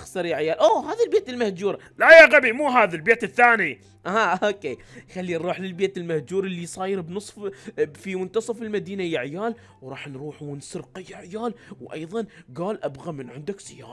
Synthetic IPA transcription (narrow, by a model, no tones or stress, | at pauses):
xsɑɾˤjaʕjaːlʔoːhaːðalbeːt̪ɪlmahd͡ʒuːɾ | lajaɣabimuːɦaːðalbeːt̪ɪθːaːni | aoːkeːxalːiɾˤuːħlɪlbeːt̪ɪlmahd͡ʒuːɾɪlːijsˤɑːjɪɾbnɨsˤffimʊnt̪ɑsˤɑfɪlmad̪iːnajaʕjaːl | wɾˤɑːħnɾuːħwɪnsʊɾqjaʕjaːlwʔɑ̰jðˤɑnɡaːlʔabɣamɪnʕɪnd̪aksɪja̰ːɾ